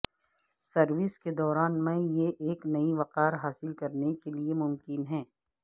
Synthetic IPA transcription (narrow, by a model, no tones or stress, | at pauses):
sɐɾʋɪsked̪ɔːɾaːnmẽjeʔeːknɐiʋɐqaːɾɦaːsɪlkɐɾnekeliemʊmkɪnɦɛ̃ː